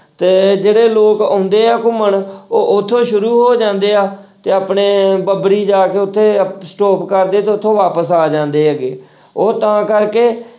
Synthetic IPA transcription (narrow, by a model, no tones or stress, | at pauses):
t̪eːd͡ʒeːɽeːloːkõːnd̪eːaːkʊməɳoːʔʊt̪ʰːõːʃʊɾuːɦoːd͡ʒãːnd̪eːaːt̪eːaːpɳeːbəbɽiːd͡ʒaːkeːʊt̪ʰːeːsʈoːpkəɾd̪eːt̪eːʊt̪ʰːõːʋaːpəsaːd͡ʒãːnd̪eːɡḛː | oːt̪ãːkəɾkeː